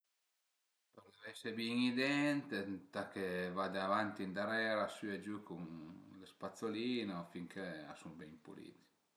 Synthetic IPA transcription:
pəɾd̪ɛvɛsebiŋid̪ɛnt̪et̪akevad̪eavant̪ind̪aɾɛːɾasyed͡ʒukuŋlespat̪soliːnofiŋkʰea̰sumbɛŋimpṵlḭːt̪i̥

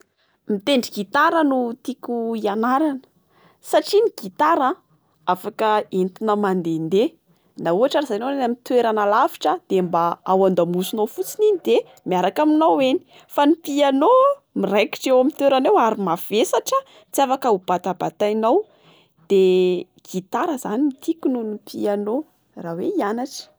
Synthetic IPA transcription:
mit̪eɳɖ͡ʐiɡit̪aɾənut̪ikuianaɾanə̥ | saʈ͡ʂiniɡ̥it̪aɾə | afakəent̪inəmand̪end̪e | nauɦaʈ͡ʂaɾizajnownenamit̪weɾanalafi̥ʈ͡ʂəd̪̥embaawand̪amusunowfut͡sininid̪e | miaɾakaminaweni̥ | fanipianomiɾajki̥ʈ͡ʂewamint̪weɾanewaɾimav̥esaʈ͡ʂə | t͡siafakaub̥at̪abat̪ajnaw | d̪̥e | ɡ̥it̪aɾəz̥animit̪ikununipiano | raweianaʈ͡ʂə̥

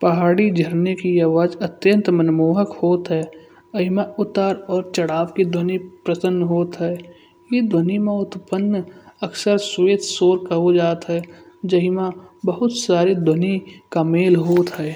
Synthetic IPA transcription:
pɐɦaːɽid͡ʒʱəɾnekiaːʋaːd͡ʒət̪jə̃nt̪mənmoːɦəkhoːt̪ɦɛː | ɐɦɪmãʊt̪aːɾɔːɾt͡ʃəɽaːʋkid̪ʱənipɾəsənːɦoːt̪ɦɛː | jed̪ənimãʊt̪pənːəksəɾsʋeːt̪soːɾkaɦod͡ʒaːt̪ɦɛː | d͡ʒəɦimãbəɦʊt̪saːɾid̪ʱonikameːlɦoːt̪ɦɛː

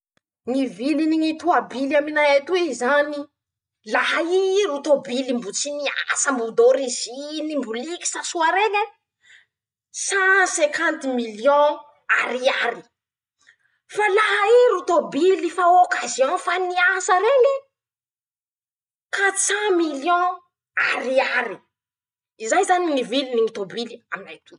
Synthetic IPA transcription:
ŋiviliniŋit̪uabilaminaet̪uezani | laɦaiɾut̪obilimbut͡sinia̰səmbud̪oɾizinimbuliki̥sasuaɾele | sasekant̪imilijõ | a̰ɾiaɾi | falaɦaeɾut̪obilifaokaziɔ̃faniasəɾeŋi | kat͡sãmiljɔ̃ | aɾiaɾi | izajzaniniviliniŋit̪obiliaminajt̪u

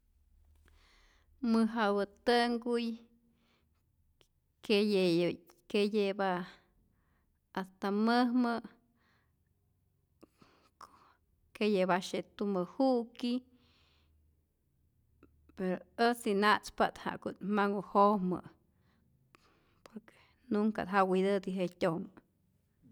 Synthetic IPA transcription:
mɨɦawɨt̪ɨŋɡuj | ke | kejebaʔ | ast̪aməhmə | kejebaʃet̪umɨhuʔki | peɾoət͡sinat͡spat̪ha̰ʔkut̪maŋuhomə̰ | poɾke̥ | nuŋka̰d̪ɦawid̪ɨd̪iɦetʲom

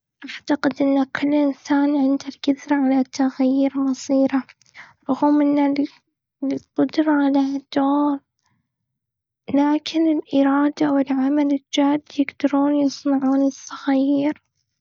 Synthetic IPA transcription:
ʔaʕt̪aqɪd̪ʔɪnːakʰʊlːʔɪnsaːnʕɪnd̪alɡɪðɾʕalat̪ːaɣjjiɾmɑsˤiːɾa | ɾˤʊɣuːmɪnːa | lqʊd̪ɾˤɑʕalad̪̥oːl | laːkʰɪnɪlʔɪɾˤɑːd̪awɪlʕamalɪld͡ʒaːd̪jɪɡd̪̥ɑɾuːnjɨsˤnɑʕuːnɪsˤːɑɣaijːɾ

